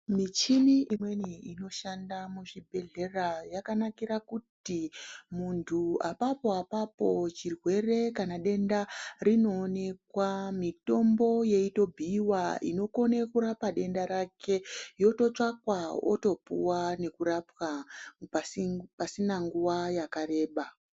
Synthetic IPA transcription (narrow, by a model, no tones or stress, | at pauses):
mit͡ʃiniimwe̞niino̞ʃandamuʐibʱe̞ɮe̞rajakanakirakutimuntʰuapapo̞apapo̞t͡ʃirwe̞re̞kanaɗe̞ndarino̞ːne̞kwamito̞mbo̞je̞ito̞bʱiːwaḭno̞ko̞nekuɾapaɗe̞ndaɾakʰe̞jo̞to̞t͡ʂakwao̰to̞pṵwane̞kuɾapwa | pasinaŋɡuwajakaɾe̞ːɓa